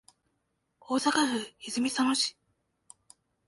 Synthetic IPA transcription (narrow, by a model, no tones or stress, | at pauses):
oːsakaɸɯ̟izɨmʲisanoɕi̥